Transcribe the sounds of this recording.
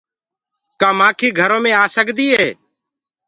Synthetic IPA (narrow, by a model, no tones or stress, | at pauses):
kaːmãːkʰiːɡʱəɾoːmẽːaːsəɡd̪iːɦeː